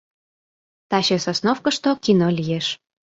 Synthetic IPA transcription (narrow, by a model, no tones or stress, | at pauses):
t̪ɑɕesosnofkəʃt̪okʲinolʲijeʃ